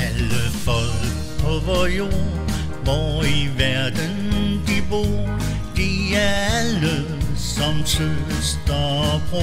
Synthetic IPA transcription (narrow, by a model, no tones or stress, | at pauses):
æləfɔl | pʰɔʋɐjo̝ɐ | ʋɒiʋæɐd̥ənd̥ib̥oː | d̥iæælə | sɒmsʰøsd̪̥ɑpʰɔ